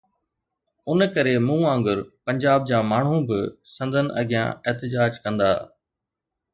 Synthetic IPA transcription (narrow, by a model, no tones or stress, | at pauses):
ʊnkɐɾemũːãːŋɡəɾpɐ̃ɲd͡ʑaːb̚d͡ʑaːmaːɳ̤ũbɪsɐ̃nd̪ʱənʔɐ̰ɡʱɪjã̰eɦt̪ɪd͡ʑaːd͡ʑkɐ̃nd̪a̰ː